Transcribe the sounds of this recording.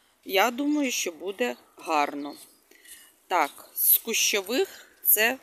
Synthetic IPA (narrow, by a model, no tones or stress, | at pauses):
jad̪umɐjʊʃt͡ʃɔbud̪ɛ | ɦɑrnɔ | t̪ɑkskʊʃt͡ʃɔʋɪxt̪sɛ